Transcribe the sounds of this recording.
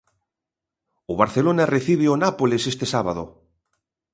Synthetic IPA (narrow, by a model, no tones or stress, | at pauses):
oβ̞aɾθelonareθiβ̞eonapolesest̪esaβaðo